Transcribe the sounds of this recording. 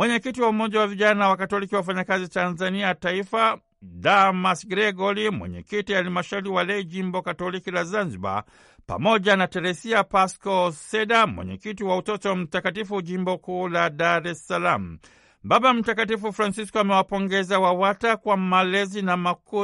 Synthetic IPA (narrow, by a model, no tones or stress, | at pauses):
mwɛɲɛkitiwaumɔʄawaviʄanawakatɔlikiwaf̬aɲakazitanzaniataifa | damasɡɾɛɡɔlimwɛ̰ɲɛ̰kitijahalimaʃauliwalɛʄimbɔkatɔlikilazanziɓa̰ | pa̰mɔʄanatɛɾɛsiapaskɔsɛɗamwɛ̰ɲɛ̰kitiwautɔtɔm̩takatifuʄimbɔkuːlaɗaɾɛsalam̩ | baɓam̩takatifufɾansiskɔamɛwapɔŋɡɛzawawatakwamalɛzinamaku